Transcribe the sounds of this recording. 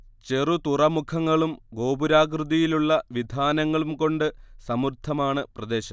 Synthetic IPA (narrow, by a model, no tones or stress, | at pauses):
t͡ɕerut̪urɐmukʰɐŋːɐɭumɡo̞ːbuɾaːk̬rɨðijiluɭːɐʋid̪ʱaːnɐŋːɐɭumko̞ɳɖɨsɐmurt̪ʰːɐmaːɳɨprɐd̪e̞ːɕɐm